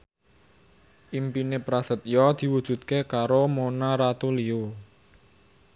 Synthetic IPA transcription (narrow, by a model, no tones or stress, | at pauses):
ʔimpinepɾasə̤t̪̚jɔd̪̥i̤wud̥ʒ̥ṳt̪̚kekaɾomonaɾat̪ulio